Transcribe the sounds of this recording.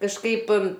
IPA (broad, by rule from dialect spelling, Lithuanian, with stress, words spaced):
kɐʃˈkɐɪp